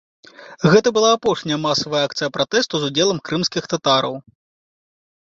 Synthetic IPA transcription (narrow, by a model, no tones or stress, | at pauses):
ɣɛt̪ɐbɨlˠaːpɔʂnʲɐjɐmasɐvɐjɐak̚t̪sɨjɐpɾat̪ɛst̪uzud͡zʲɛlˠɐmkɾɨmsʲkʲixt̪at̪aɾɐw